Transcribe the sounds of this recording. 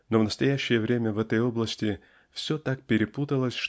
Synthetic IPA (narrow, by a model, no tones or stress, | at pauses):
no̞vnəst̪ɐjæɕːɪjəvɾʲemʲəvɛt̪əjo̞blˠəsʲtʲɪ | fsʲɵt̪ak̚pʲɪɾʲɪput̪əlˠəsʲʂ